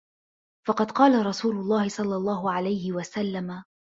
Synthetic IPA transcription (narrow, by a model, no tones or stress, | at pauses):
fɑqɑd̪qɑːlaɾˤɑsuːlʊlˤːɑːhɪsˤɑlːɑlˤːɑːɦʊʕalajhɪwasalːama